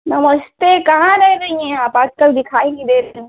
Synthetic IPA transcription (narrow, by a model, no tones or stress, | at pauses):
nɐməst̪ekɐɦãɾɛɦɾɐɦĩɦɛ̃aːpaːd͡ʒkəld̪ɪkʰaːẽːɡid̪eːɾɐĩ